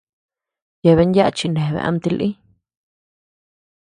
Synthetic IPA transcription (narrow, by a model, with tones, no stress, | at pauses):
je˧βe˧˦ndja˦a˧t͡ʃi˧nẽ˨βḛ˧ʔa̰˧mt̪i˧lʔi˦